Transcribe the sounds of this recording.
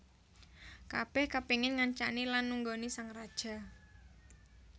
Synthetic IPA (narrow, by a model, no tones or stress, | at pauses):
kab̥ɛhkapiŋɪnŋaɲt͡ʃanilanːuŋɡonisaŋrad̥ʒ̥a̤